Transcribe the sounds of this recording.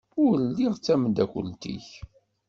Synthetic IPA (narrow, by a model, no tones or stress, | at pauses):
ʊɾɾlːiʁt͡sːæməd̪ækʷə̰lt̪ḭç